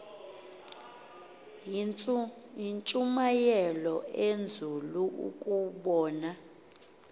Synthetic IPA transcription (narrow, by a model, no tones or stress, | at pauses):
int͡ʃʼumajɛlɔend͡zʱuluʔṵkʼuɓɔːna